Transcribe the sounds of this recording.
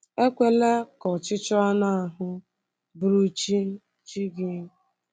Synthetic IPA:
e˦kʷe˨le˦kɔ˨t͡ʃɪ˦t͡ʃɔ˦a˦na˦a˨ɦʊ˦ | bɾu˦t͡ʃi˦ | t͡ʃi˦ɡɪ˦

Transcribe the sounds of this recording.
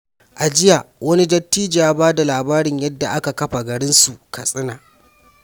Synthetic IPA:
ʔa˨d͡ʒɪ˦ja˨wɐ˦ni˦dɐ˦tːiː˦d͡ʒaː˨˦baː˦da˨laː˨baː˦ɾɪ˨ɲjɐ˦dːa˨ʔa˦ka˨kɐ˦ɸa˨ɡɐ˨ɽɪ˦nsu˨kʰɐ˨sʼɪ˦naː˨

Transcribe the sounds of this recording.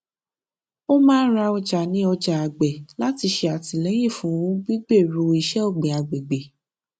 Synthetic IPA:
o˦mãː˦ɾa˧ɔ˧d͡ʒa˨nĩ˦ɔ˧d͡ʒa˨a˨ɡ͡bɛ˨la˦ti˧ʃe˧a˨ti˨lɛ˨˦j̃ĩ˦˨fũ˨˦ɡ͡bi˦ɡ͡be˦˨ɾu˧i˧˦ʃɛ˦o˦˨ɡ͡be˨a˨ɡ͡be˨ɡ͡be˨

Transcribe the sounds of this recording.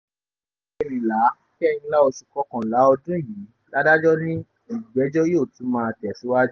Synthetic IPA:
e˨nĩ˨la˨˦kɛ˦˨nĩ˧la˦o˧su˧kɔ˧kã˨la˨˦ɔ˧dũ˦˨jĩ˨˦ | la˦da˦d͡ʒɔ˦nĩ˦ | i˨ɡ͡bɛ˨˦d͡ʒɔ˦jo˦˨tũ˨˦mãː˧a˧˨tɛ˨su˨˦wa˦d͡ʒ

